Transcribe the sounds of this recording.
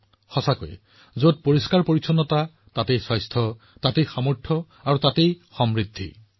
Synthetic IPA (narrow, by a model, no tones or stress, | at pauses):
xɔsako̰jɛ̰ | zot̚poɹiskaɹpoɹisʰɔnːɔta | tatejsajstʰɔ | tatejxamɔɹtʰɔ | aɹutatejxɔmɹidʱːḭ